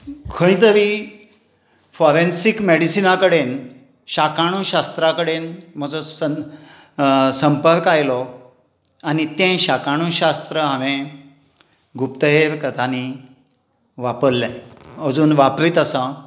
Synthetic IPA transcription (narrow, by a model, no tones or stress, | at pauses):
kʰəĩt̪əʋi | fɔɾensikmeɽisinakəɽen | ɕakaɽ̃ũɕast̪ɾakəɽenm̤əd͡zɔə | səmpəɾkajlɔ | anit̪ẽɕakaɽ̃uːɕast̪ɾəɦaʋẽ | ɡupt̪əɦeɾkət̪ʰani | ʋapəɾlɛəd͡zuːnʋapɾiːt̪əsã